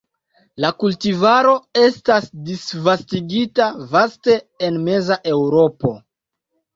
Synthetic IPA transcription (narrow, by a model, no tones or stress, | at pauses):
lakultivaɾo̞e̞stasdisvastiɡitavaste̞ | enme̞zaʔe̞wɾo̞po̞